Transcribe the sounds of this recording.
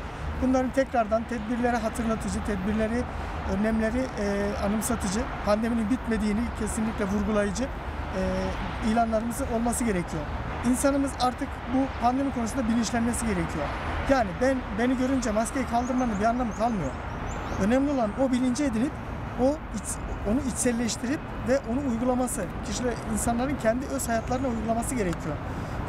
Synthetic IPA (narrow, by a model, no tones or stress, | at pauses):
bunlˠaɾɯnt̪ʰɛcɾaɾd̪ant̪ʰɛd̪̚biɾlʲe̞ɾɛɦat̪ʰɯɾlˠat̪ʰɯd͡ʒɯt̪ʰɛd̪biɾlʲe̞ɾi | ønɛmlʲe̞ɾiʔanɯmsat̪ʰɯd͡ʒɯpʰand̪e̞mininbit̪me̞d̪iːnicʰesinlʲiclʲɛvuɾɡulˠajɯd͡ʒɯ | ɛː | ijlʲˠanlˠaɾɯmɯzɯo̞lˠmasɯɟe̞ɾecʰijo̞ | insanɯmɯzaɾt̪ʰɯk | bupʰand̪e̞mikʰo̞nsund̪abilʲinʃlʲænme̞siɟe̞ɾecʰijo̞ | jaːnibænbe̞niɟø̞ɾynd͡ʒɛmascejɛkʰalˠd̪ɯɾmanɯnbianlˠamkʰalˠmɯjo̞̰ɾ | ø̞nɛmlʲio̞lˠano̞bilʲind͡ʒied̪inip | o | i | onuit͡ʃsɛlʲːɛʃt̪ʰiɾip | vɛʔo̞nunujɡulˠamasɯcʰiʃiɛinsanlˠaɾɯncʰɛnd̪iø̞z̥hajat̪ʰlˠaɾɯnaujɡulˠamasɯɟe̞ɾɛcʰijo̞